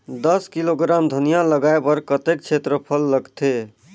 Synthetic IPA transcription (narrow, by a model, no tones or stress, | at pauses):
d̪əskiloɡɾamd̪ʱənijaləɡaebəɾkət̪ek̚t͡ʃʰet̪ɾəpʰəlːəɡt̪ʰe